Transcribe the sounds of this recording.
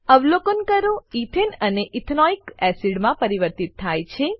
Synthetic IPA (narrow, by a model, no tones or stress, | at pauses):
əʋlokənkəɾõit̪ʰenəneʔit̪ʰnɔikɛsiɖmãpəɾiʋəɾt̪it̪ʰːajt͡ʃʰe